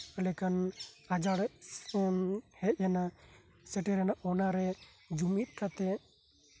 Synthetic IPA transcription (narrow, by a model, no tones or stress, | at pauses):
lɛkanad͡ʒaɽɛ | hɛt̪̚jana | sɛʈɛɾɛnaʔɔnaɾɛ | d͡ʒumit̪̚ˀkʰat̪ɛ